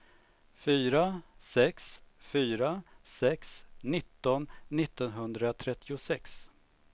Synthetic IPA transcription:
fyːɾasɛksfyːɾasɛksnɪt̪ːɔnːɪt̪ːɔnɦɵnd̪ɾat̪ʰɾɛt̪ːɪʊsɛks

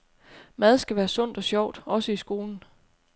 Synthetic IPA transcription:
mæð̞ˠsɡ̥æʋæːɐsɔ̽n̰d̥ɒ̽sɕjɒʊ̰d̥ɒ̽səisɡ̥o̝ːln̩

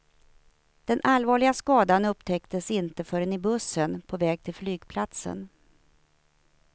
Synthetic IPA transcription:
d̪̥ɛnʔalvɑːɭɪɡaskɑːd̪anɵpt̪ʰɛkt̪əsɪnt̪əfœːɾɛnɪbɵsənpʰɔvɛːɡ̚t̪ʰɪlflyːɡpʰlat̪sə̰n

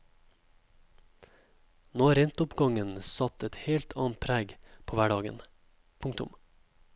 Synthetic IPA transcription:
noːɾɛnt̪ʊpɡɑŋənsɑt̪ʰɛt̪heːlt̪ʰɑ̰ːnt̪̚pʰɾæːɡpʰoːʋæɖɑːɡə̰n | pʰʊŋt̪ʊ̰m

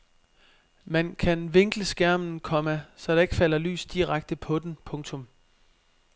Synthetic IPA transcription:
mænkʰænʋe̝ŋɡ̥ləsɡ̥æɐ̰mn̩kʰɒ̽mæsɒ̽d̥ɑ̈e̝ɡ̥əfæl̰ɐly̰ːsd̥iʁaɡ̥̚d̥əpʰɒ̽d̥enpʰɔ̽ŋt͡sʰɔ̽m

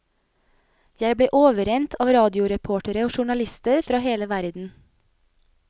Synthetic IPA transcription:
jæɪbleːʔoːʋəɾɛnt̪ʰɑːʋɾɑːd̪ɪʊɾɛpʰoːʈəɾəoːʃʊɳɑlɪst̪əɾfɾɑːheːləʋæɾd̪n̩

